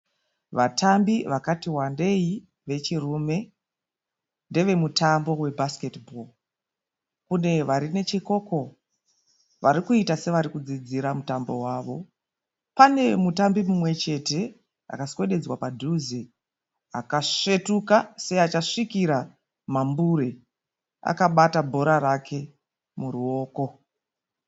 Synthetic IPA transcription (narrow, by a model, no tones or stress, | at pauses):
ʋatambiʋakatiwande̞i | ʋe̞t͡ʃirume̞ | nde̞ʋe̞mutambo̞we̞bʱasketbʱol | kune̞ʋaɾine̞t͡ʃiko̞ko̞ | ʋaɾikuitase̞ʋaɾikud͡zid͡ziɾamutambo̞̰waʋo̞ | pane̞mutambimumwe̞t͡ʃe̞te̞ | a̰kaswe̞ɗe̞d͡zwapadʱuzi | a̰kaʂe̞tukasejat͡ʃaʂikiɾa | mambuɾe | a̰kaɓatabʱo̞ɾaɾakʰe̞ | muɾuo̞ːko̞